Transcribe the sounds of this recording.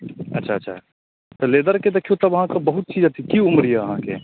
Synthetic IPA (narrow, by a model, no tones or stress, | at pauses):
ɐ̰tːʃʰaɐtːʃʰa̰ | t̪oleːd̪əɾked̪ekʰijot̪ɐbʋɐɦãkabɐɦʊt̪̚t͡ʃiːd͡ʒɦɐt̪ʰikiʊmɾieɐɦãkḛ